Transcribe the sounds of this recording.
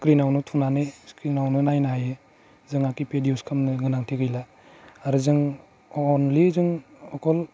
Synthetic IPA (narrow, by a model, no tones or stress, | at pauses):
kɾinawnutʰuŋnaneskɾinawnɯnajnaɦaje | zɯŋakipediuskʰamnɯɡɯnaŋtʰiɡɯjla | aɾuzɯŋ | ɔnlizɯŋɔkʰɔl